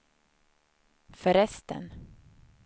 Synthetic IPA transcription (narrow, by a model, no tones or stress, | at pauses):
fœɾɛst̪ʰə̰n